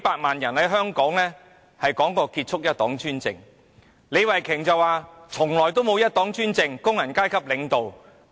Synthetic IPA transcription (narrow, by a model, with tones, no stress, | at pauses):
paː˧t̚maː˨njɐ˨˩nhɐ˨˥jɦœː˥ŋkɔː˨˥ŋlɛː˥ | hɐ˨jkɔː˨˥ŋkɔː˧kiː˧t̚t͡ʃʰʊ˥k̚jɐ˥t̪̚ɔː˨˥ŋt͡ʃyː˥nt͡sɪ̰˨ŋ | le˨˧jwɐ˨˩jkʰɪ˨˩ŋt͡sɐ˨˧waː˨˧t͡sʰʊ˨˩ŋlɔː˨˩jt̪o˥wmo˨˧wjɐ˥t̚t̪ɔː˨˥ŋt͡ʃyː˥nt͡sɪ˧ŋkʊ˥ŋjɐ˨˩nkaː˥jkʰɐ˥p̚lɪ˨˧ŋt̪o˨w